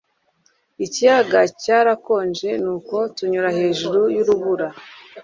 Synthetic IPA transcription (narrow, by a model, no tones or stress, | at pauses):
icijaɡacaːɾako̞ːnd͡ʒe̞nuːko̞tuɲuɾahe̞ːʒuɾujuɾuβuɾa